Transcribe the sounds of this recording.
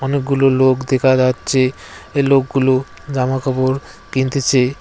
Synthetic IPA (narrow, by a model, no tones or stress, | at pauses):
ɔnek̚ɡulolokd̪ekʰad͡ʑatːɕʰe | elokɡulo | d͡ʑamakʰɔboɾ | kint̪et͡ɕʰe